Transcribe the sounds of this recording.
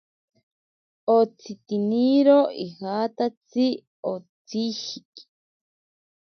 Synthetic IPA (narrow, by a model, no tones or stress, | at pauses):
ot͡sʰit̪iniɾoihat̪at͡si | ot͡sihiki̥